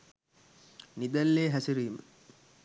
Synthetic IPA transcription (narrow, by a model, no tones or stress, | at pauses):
nid̪ælːeːɦæsiɾiːmə̰